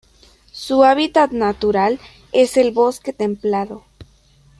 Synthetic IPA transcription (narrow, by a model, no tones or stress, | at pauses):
suaβit̪at̪nat̪uɾal | e̞se̞lβo̞ske̞t̪emplaðo